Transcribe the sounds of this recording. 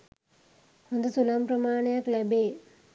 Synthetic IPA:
hond̪usulamprɐmaːɳejaklæbeː

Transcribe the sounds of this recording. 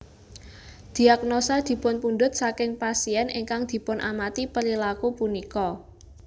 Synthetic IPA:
d̪̥i̤ak̚nosad̪̥i̤pʊnpund̪ʊt̪̚sakɪŋpasiɛnʔeŋkaŋd̪̥i̤pʊnʔamat̪ipəɾilakupunikɔ

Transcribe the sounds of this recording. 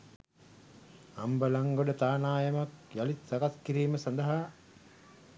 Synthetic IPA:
ɐmbəlɐŋɡoɖɐt̪aːnaːjɐmɐkjɐlit̪sɐkɐskiɾiːməsɐnd̪ɐɦaː

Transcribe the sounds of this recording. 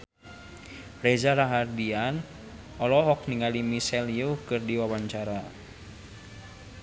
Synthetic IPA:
rɛzaɾaɦardian | ɔlɔɦɔk̚niŋalimisɛljukɨrdiwawaɲt͡ʃaɾa

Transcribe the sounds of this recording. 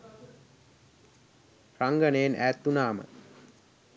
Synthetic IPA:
raŋɡənejenæ̰ːt̪ːunaːmə̰

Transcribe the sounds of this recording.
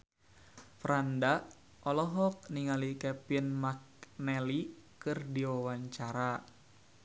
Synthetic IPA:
fɾanda | ʔɔlɔɦɔk̚niŋalikɛpinmak̚nɛli | kɨrdiwawaɲt͡ʃaɾa

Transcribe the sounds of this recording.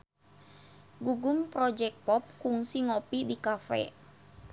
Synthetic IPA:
ɡuɡʊmpɾɔd͡ʒɛk̚pɔp̚kuŋsiŋɔpidikafɛ̰

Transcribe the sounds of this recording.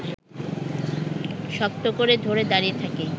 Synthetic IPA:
ʃɔk̚t̪okoɾed̪ʱoɾed̪aɾiet̪ʰake

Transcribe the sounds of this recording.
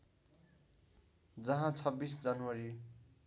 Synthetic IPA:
d͡zʌɦãt͡sʰʌbːisd͡zʌnwʌɾi

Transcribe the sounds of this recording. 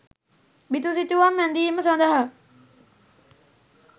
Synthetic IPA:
bit̪usit̪uʋamːɛnd̪iːməsãnd̪əɦə

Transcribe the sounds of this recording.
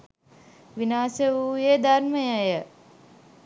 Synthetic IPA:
ʋinaːsəuːjed̪arməjəjə

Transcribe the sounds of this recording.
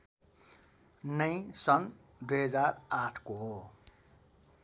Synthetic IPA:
nʌj̃sʌn | d̪ujɦʌd͡zaɾaʈʰkoɦo

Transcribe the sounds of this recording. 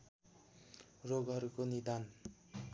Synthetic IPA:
roɡʌɾkonid̪an

